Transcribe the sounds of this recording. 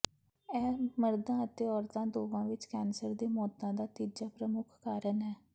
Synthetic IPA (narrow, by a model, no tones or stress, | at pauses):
ɛːməɾd̪ãːət̪eːɔːɾt̪ãːd̪oːʋãːʋɪt͡ʃkɛːnsəɾd̪eːmɔːt̪ãːd̪aːt̪iːd͡ʒaːpɾəmʊkʰkaːɾənɦɛː